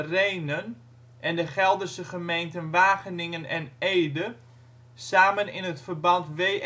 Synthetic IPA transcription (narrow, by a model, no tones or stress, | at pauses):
rejnən | ʔɛndəχɛlˠdərsəχəmejntənʋaːχənɪŋənɛnejdə | saːmənɪ̰nətfərbɑntʋe